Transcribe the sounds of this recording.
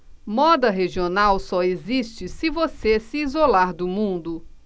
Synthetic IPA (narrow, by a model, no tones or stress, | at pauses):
mɔd̪ɐɦeʒionawsɔezist͡ʃɪsɪvosesɪːzolaɾd̪ʊmũnd̪ʊ